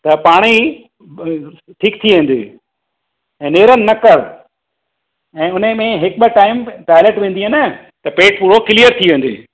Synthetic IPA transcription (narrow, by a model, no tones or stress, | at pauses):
t̪ɐpaːɽ̃i | ʈʰiːkt̪ʰiʋẽːn̆d̪ḛː | ɛ̃ːneːɾənɪ̆nːɐkəɽ | ɛ̃ːʊn̤əmẽɦɪkɓɪʈaːɪmʈaːɪleʈʋẽːnd̪iɦenə | t̪ɐpeːʈ̚puːɽokɪlijəɾt̪ʰiʋẽːn̆d̪ḛː